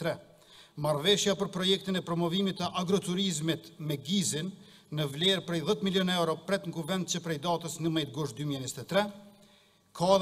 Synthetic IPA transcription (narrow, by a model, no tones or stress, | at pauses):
ɾɛ | maɾvɛʃjapəɾpɾɔjɛk̚t̪inɛpɾɔmɔvimit̪əʔaɡɾɔt̪uɾizmit̪mɛɡizinː | əvlɛɾpɾɛjðɛt̪miljɔnɛwɾɔpɾɛt̪ŋkuvɛnd̪̚t͡ɕəpɾɛjd̪at̪əsnəmɛjt̪̚ɡuʃt̪̚d̪ymiɛɲist̪ɛt̪ɾɛ | kʰa